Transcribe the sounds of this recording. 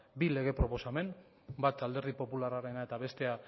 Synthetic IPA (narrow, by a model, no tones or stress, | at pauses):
bile̞ɣ̞e̞pɾo̞po̞same̞m | bat̪ald̪e̞ɾð̞ipo̞pulaɾaɾe̞nae̞t̪aβe̞st̪e̞a